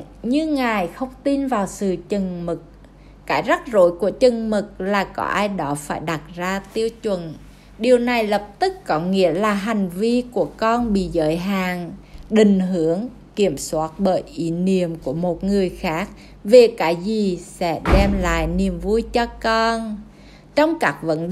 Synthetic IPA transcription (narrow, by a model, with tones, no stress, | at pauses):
ɲɨ˧ŋaː˨˩jxə˧wŋ͡mt̪i˧nvaː˨˩wsɨ̰˧˨t͡ɕə˨˩ŋmɨ˨˩k̚ | kaː˨˦jza˦˥t̚zo̰˧˦jku˧˩ət͡ɕə˨˩ŋmɨ˨˩k̚laː˨˩kɔ˨˧˦ʔaː˧jɗɔ˨˦faː˧˩jɗa˨˩t̚zaː˧t̪i˧əwt͡ɕwə˧˨˩n | ɗi˨˩əwna˨˩jlə˨˩p̚t̪ɨ˦˥kkɔ˨˦ŋḭ˧˥əlaː˨˩ɦa˨˩jŋ̟vi˧ku˧˩əkɔ˧nɓḭ˧˨zə̰ː˨˦jɦaː˨˩ŋɗï˨˩ŋ̟ɦɨ˧˦əŋ | ki˧˩əmswaː˦˥t̚ɓəː˧˩jʔi˨˦ni˨˧˩əmku˧˩əmo˨˩t̚ŋɨ˨˩əjxaː˦˥k̚ | ve˨˩kaː˨˦jzi˨˩sɛ̰˧˥ɗɛ˧mla̰ː˧˨jni˨˩əmvu˧jt͡ɕɔ˧kɔ˧n | t͡ɕɔ˧wŋ͡mkaː˦˥k̚və̰˧˥n